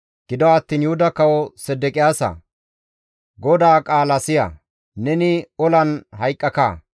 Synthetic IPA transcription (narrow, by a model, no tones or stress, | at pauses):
ɡ̥ɪd̪ɔɐt̪ːiːnjʊhʊd̪ɐkɐwɔsɛd̪ːɛkʼɪjaːsɐ̰ | ɡɔd̪aːkʼaːlɐsɪjɐ̰ | nɛnɪɔlɐnhɐjkʼːɐka̰ː